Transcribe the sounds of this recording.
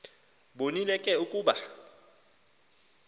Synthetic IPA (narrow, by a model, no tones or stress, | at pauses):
ɓonilɛkʼɛukʼuːɓa